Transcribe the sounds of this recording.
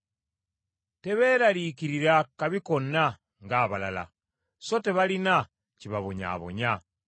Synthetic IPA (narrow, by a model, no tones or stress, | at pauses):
te̞βe̞ːɾalikiɾiɾakaβikonːa | ŋɡaːβala̰la̰ | so̞te̞βalina | ciβaβoɲa̰ːβo̞̰ɲa